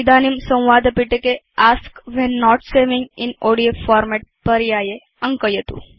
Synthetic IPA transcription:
id̪animsə̃wʋaːd̪əpiʈeke | askʋɛnːɔʈseʋiŋɪ̰noɽiofɔɾmɛʈ̚pəɾijaːje | ə̃ŋkəjət̪ṵ̃

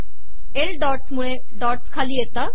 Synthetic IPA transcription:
elɖɔːʈsmuɭ̃ẽ | ɖɔːʈskʰaːlijet̪a

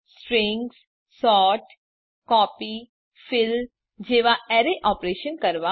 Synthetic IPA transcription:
sʈɾɪ̃ŋɡs | sɔːʈ | kɔːpiː | fʰɪl | d͡ʒeːʋaɛːɾeʔɔːpɾeːʃənkəɾʋa

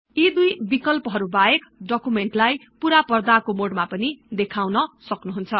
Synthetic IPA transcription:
id̪ujbikʌlpʌɦʌɾubaekɖʌkumeɳʈlajpuɾapʌrd̪akomoɽmapʌnid̪ekʰawnʌsʌknuɦunt͡sʰʌ

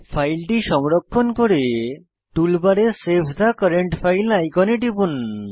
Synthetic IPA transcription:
pʰajlʈiʃɔmɾokʰːonkoɾe | ʈulbaɾesepʰd̪ʱakɔɾeɳʈpʰajlajkɔneʈibun

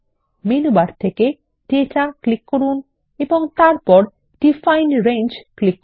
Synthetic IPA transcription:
menubaɾt̪ʰeke | ɖeʈaklikːoɾun | eboŋt̪aɾpɔɾ | ɖifajnɾend͡ʑklikː

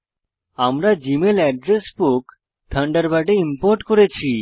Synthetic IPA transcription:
amɾad͡ʑimelɛɖɾesbok | t̪ʰəɳɖaɾbaʈeimpoɾʈkoɾet͡ɕʰi

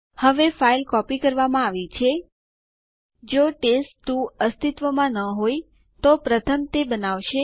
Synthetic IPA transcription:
həʋefailkɔpikəɾʋamãaʋit͡ʃʰe | d͡ʒoʈesʈt̪ũəst̪it̪ʋəmãnəɦoj | t̪opɾət̪ʰəmt̪ebənaʋʃe

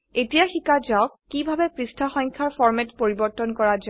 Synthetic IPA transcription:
etijaxikad͡ʒaʊkːibʱabɛpɹistʰaxɔ̃ŋkʰaɹfʰɔɹmɛtpoɹibɔɹtɔnkɔɹad͡ʒ

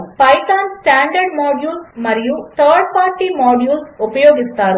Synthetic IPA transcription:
pɐjt̪aːnsʈaːɳɖɐɾɖmoːɖjuːlsmɐɾijut̪ʰɐːɾɖ̚paːɾʈiːmoːɖjuːlsupɐjoːɡist̪aːɾu

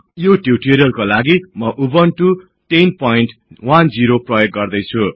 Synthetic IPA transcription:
joʈuwʈiɾjʌrkolaɡimʌʔubʌnʈu | ʈenpoiɳʈwand͡ziɾoprʌjok̚ɡʌrd̪ʌjt͡sʰu

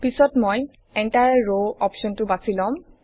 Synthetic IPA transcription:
pisɔtmɔj | ɛntajaɹoɔpʃɔntʊbasilɔm

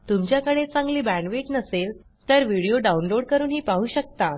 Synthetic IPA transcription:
t̪umt͡ɕjakəɽ̃et͡sãŋɡliːbæ̃ɳɖʋiʈnəsel | t̪əɾʋiɽijoɖaunloɽkəɾuːnɦiːpaɦuːɕək̚t̪a

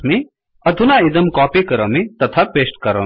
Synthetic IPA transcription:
mi | ɐd̪ʱunaid̪ɐmkɔːpikɐɾɐmit̪ɐt̪ʰapeːsʈkɐɾɐ̰

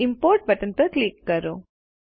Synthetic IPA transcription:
impoːɾʈ̚bɐʈɐnpɐkliːkːɐɾu

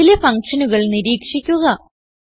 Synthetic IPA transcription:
ilefɐŋkʂɐnuɣɐɭniɾiːkʂikʲːuɣɐ

